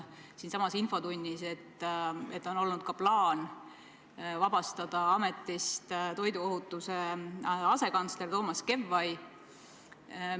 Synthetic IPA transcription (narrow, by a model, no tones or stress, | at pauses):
siːnsɑmɑsinfo̞d̪unʲːise̞t̪ːet̪ːˑo̞no̞lnud̪̥̚kɑplɑːn | vɑb̥ɑst̪ɑd̪̥ɑɑme̞t̪ːˑist̪t̪o̞jd̪uo̞ɦut̪ːˑuse̞ɑse̞kɑnt̪sle̞rt̪o̞ːmɑske̞vːɑj